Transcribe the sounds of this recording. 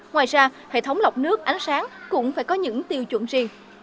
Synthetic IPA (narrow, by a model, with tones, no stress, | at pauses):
ŋwaː˨˩jzaː˧hḛ˧˨t̪ʰə˨˦wŋ͡mla˨˩wk͡p̚nɨ˦˥ək̚ʔa˨˦jŋ̟saː˨˦ŋkʊ̰˧˥ŋ͡mfaː˧˩jkɔ˨˦ɲɨ̰˧˥ŋt̪i˨˧˩əwt͡ɕwə̰˧˨nzi˧˩əŋ